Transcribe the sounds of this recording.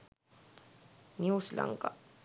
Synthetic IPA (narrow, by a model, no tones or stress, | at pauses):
njuːsla̰ŋka